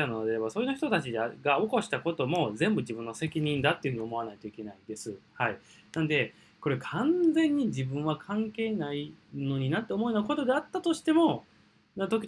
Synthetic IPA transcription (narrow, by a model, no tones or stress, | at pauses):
anod̪ɾebaso̞ːjinoçi̥t̪o̞t̪at͡ɕid̪eɡao̞ko̞ɕi̥t̪ako̞t̪o̞mo̞zẽ̞mbɯ̟d͡ʑibɯ̟̃nːo̞se̞kʲiɲ̟ĩnd̪at̪ːeɯ̟ɯ̟ɲ̟io̞mo̞anait̪o̞ike̞naid̪e̞sɨhai | nãnod̪e̞ | ko̞ɾe̞kʰãnd͡zẽ̞ɲ̟ːid͡ʑibɯ̟̃ɰ̃βakʰãŋke̞ːnaino̞ɲ̟inat̪ːe̞omo̞enoko̞t̪o̞d̪e̞at̪ːat̪o̞ɕi̥t̪e̞mo̞ | nat̪o̞k̬ʲi